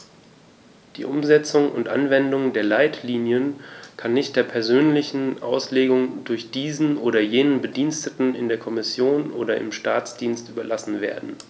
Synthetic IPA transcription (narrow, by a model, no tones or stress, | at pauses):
d̥ḭːʔʊmzɛt͡sʊŋʊ̰ntʔa̰nvɛndʊŋdeːɐlaɪtʰliːnjənkʰanːɪçt̚d̥eːɐpʰɛɐzøːnlɪçn̩ʔa̰ʊsleːɡʊŋdʊɐçd̥iːzn̩ʔoːɾɐjeːnənbədiːnstətn̩ɪndeːɐkʰɔmɪsjoːnʔo̰ːdɐɪ̰mʃtaːt͡sd̥iːnstʔyːbɐlasn̩vḛːɐdn̩